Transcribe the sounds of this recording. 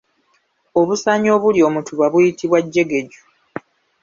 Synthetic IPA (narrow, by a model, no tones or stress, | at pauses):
o̞βusaɲo̞ːβuljo̞ːmutʰuβaβujitiβwaɟːe̞ɡe̞ɟu̥